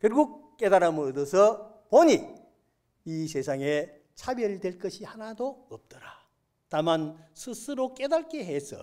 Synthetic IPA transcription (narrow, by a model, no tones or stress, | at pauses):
kjʌɭɡuk̚k͈e̞daɾamɯɾodʌsʰʌ | poɲi | is̬ʰe̞sʰaŋe | t͡ɕʰabeɾɯɭdweɭk͈ʌɕʰihanadoʌp̚t͈ʌɾa | tamansʰɯsʰɯɾok͈e̞daɭk͈eɦes͈ʌ̰